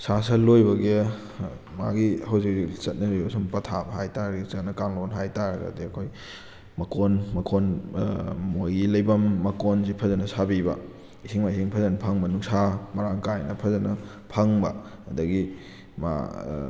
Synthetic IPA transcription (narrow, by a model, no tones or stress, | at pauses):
sasɐlojbɐɡe | ma̰ɡihɐwzik̚ːit͡ʃɐt̚nɐɾibɐsumpɐtʰabɐɦajtaɾɐɡit͡ʃɐnɐkaŋlonɦajtaɾɐɡɐ̰diɐkʰoj | mɐkonmɐkʰon | mojɡilɐjbɐmːɐkonsipʰɐzɐnɐsabibɐ̰ | isiŋmaisiŋpʰɐzɐnɐpʰɐŋmɐnuŋsamɐɾaŋkajnɐpʰɐzɐnɐ | pʰɐŋbɐ̰ɐdɐɡi | ma̰